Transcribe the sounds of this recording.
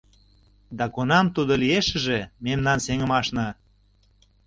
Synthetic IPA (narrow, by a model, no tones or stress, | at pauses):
d̪ɑkonɑmt̪ud̪olieʃə̆ʒememnɑnseŋə̆mɑʃnɑ